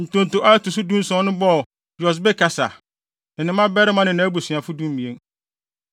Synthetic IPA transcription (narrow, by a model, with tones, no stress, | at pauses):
n̩˨tʊ̃˨n̩˨tʊ˨ʔa˦tu˨su˦dũ˦n˦sɔ̃˦nʊ̃˦bɔ˦˨ | jɔ˨s̬bɛ˦kʰa˨sa̰˨ | n̩˨nɪ̃˨˦mã˦bɛ˦ɾɪ˦mã˦nɪ̃˨nã˦bu˨sĩ˨a˨fʊ˦dũ˦m˦mĩ˨ẽ˦n